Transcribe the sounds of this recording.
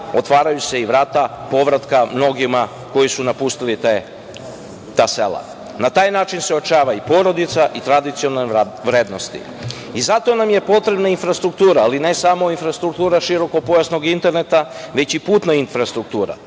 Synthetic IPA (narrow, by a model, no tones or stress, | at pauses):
o̞t̪ʋaːɾajuse̞iʋɾaːt̪apo̞ʋɾat̪kamno̞ɡima | ko̞jisunapust̪ilit̪e | t̪aːse̞̰lˠa̰ | nat̪aːjnaːt͡ʃinseot͡ʃaːʋaipo̞ɾo̞d̪it̪saʔit̪ɾad̪it̪sionʋɾeːd̪no̞st̪ḭ | izat̪o̞namje̞po̞t̪ɾe̞bnainfɾast̪ɾukt̪uːɾaːline̞samo̞infɾast̪ɾukt̪uːɾaʃiɾo̞ko̞po̞jasno̞ɡint̪e̞ɾne̞t̪aʋe̞t͡ɕipuːt̪nainfɾast̪ɾuk̚t̪uːɾa̰